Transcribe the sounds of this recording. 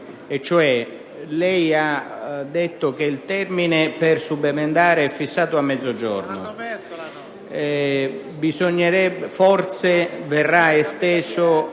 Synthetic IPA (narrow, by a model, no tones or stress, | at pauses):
ɛt͡ʃːoɛ | lɛjad̪ːet̪ːʊk̟eilt̪ɛrminɪpɪrsubemend̪aːɾɪɛfːisːaːt̪ʊamːɛd̪zːod͡ʒɔ̰rnʊ | bisoɲːeɾɛbfɔrt̪severːaest̪ɛːsʊ